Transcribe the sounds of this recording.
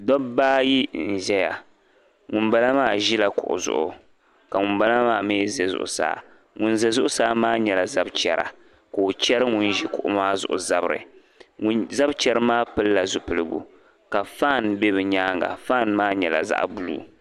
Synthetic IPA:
dɔ˦bbaː˦ji˦n̩˨ʒɛ˦ja̰˨ | ŋʊ˨nba˦la˦maː˦˨ʒi˦la˨kʊ̰˨ʔʊ̰˨zʊ̰˨ʔʊ̰˨ | ka˨ŋʊ˨mba˦la˦maː˦˨meː˦zɛ˨zʊ̰˨ʔʊ̰˨sa̰ː˦ | ŋʊ˨nzɛ˨zʊ˦ʔʊ˦saː˦maː˦ɲɛ˨la˨za˦bt͡ʃɛ˨ɾa̰˨ | ko˨o˨t͡ʃɛ˦ɾɨ˦ŋʊ˦nʒi˦kʊ˨ʔʊ̰˦maː˦zʊ̰˨ʔʊ˨za˦bɨ˦ɾɨ̰˨ | ŋu˦nza˦bt͡ʃɛ˦ɾɨ˦maː˦pɨ˦lːa˨zʊ˨pɨ˨lɨ˦ɡṵ˨ | ka˨faː˦˨nbɛ˦bɨ˨ɲaː˦ŋɡa̰˨faː˦˨nmaː˦ɲɛ˨la̰˨za̰˦ʔbu˦lṵː˦

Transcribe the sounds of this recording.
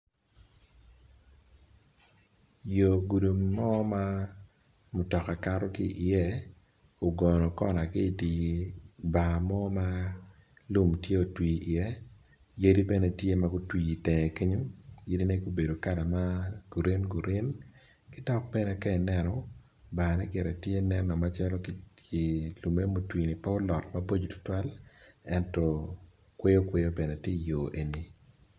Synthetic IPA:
jo˨ɡu˨du˨mːɔ˦ma˦ | mʊ˨tɔ˨ka˨ka˦ɾɔ˦kɪ̰˦ʔi˨jɛ˦ | o˨ɡɔ˨nɔ˨kɔ̰˦˨na˨kɪ˦˨di˨ | ba˨mɔ˦ma˦ | lu˦mtje˦o˨twiː˨ʔɪ˨ɛ˦ | je˦di˦bɛ˦nɛ˦tje˦maɡo˦twi˦˨i˨tɛ˨ke˦ɲo˦je˦di˦ne˦ɡo˦be˨do˨ka˦la˨ma˦ɡ̥u˨ɾe˦nɡu˨ɾe˦n | kɪ˦dɔ˦k̚bɛ˦nɛ˦kɛ˦ɛ˨nɛ˦nɔ˨ | baː˨nɛ˦ɡɪ˨ɾɛ˨tje˦nɛ˦nɔ˨ma˦t͡ʃɛ˦lɔ˦kkɪ˨lu˨me˦mo˨twiː˨ni˨pa˦o˦lɔ˨tmabo˦d͡ʒo˨tʊ̥˨˦twa˦lɛ˦ntɔ˨ | kwe˦jo˦kwe˦jo˦bɛ˨nɛ˨tje˦˨joː˨ʔe˨ni˦

